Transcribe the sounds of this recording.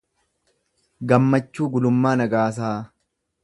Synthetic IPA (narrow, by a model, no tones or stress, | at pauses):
ɡɐmːɐt͡ʃːuːɡʊlʊmːaːnɐɡaːsaː